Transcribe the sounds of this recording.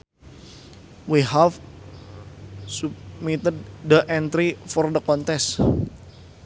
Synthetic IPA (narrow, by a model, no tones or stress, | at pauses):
wiɦaf | sub̚mit̪əd̪̚dəʔɛnt̪ɾifɔrd̪əkɔnt̪ɛs